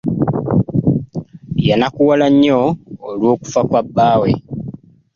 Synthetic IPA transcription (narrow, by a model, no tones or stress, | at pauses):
janakuwalaɲːo̞ːlwo̞ːku̥fakwabːaːwe̞